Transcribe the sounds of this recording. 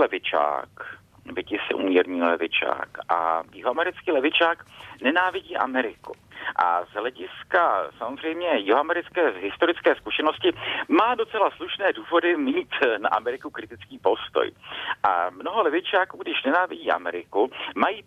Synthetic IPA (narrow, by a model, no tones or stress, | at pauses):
lɛvɪt͡ʃa̰ːk | vɪɟɪsɪ̰ʔṵːmɲɛɾɲiːlɛ̰vɪ̰t͡ʃa̰ːkʔa̰jɪɦoamɛɾɪt͡skiːlɛvɪt͡ʃaːknɛnaːvɪɟiːʔa̰mɛɾɪkṵʔa̰zɦlɛɟɪskasamozr̝ɛjmɲɛjɪɦoamɛɾɪt͡skɛːɦɪst̪o̞ɾɪt͡skɛːskuʃɛno̞scɪmaːdo̞t͡sɛlasluʃnɛːduːvo̞dɪmiːt̪na̰ʔamɛɾɪkukɾɪt̪ɪt͡skiːpo̞st̪o̰jʔamno̞ɦo̞lɛvɪt͡ʃaːkuːɡdɪʃnɛnaːvɪɟiːʔa̰mɛɾɪkumajiː